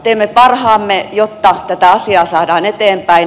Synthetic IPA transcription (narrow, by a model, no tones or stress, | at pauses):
t̪eːmːepɑrhɑːmːejot̪ːɑt̪æt̪æɑsiɑːsɑːdɑːnet̪eːmpæi